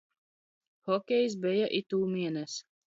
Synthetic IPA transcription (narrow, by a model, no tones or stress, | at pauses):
xɔkʲɛjs̬bɛjaʔit̪uːmʲiɛnɛs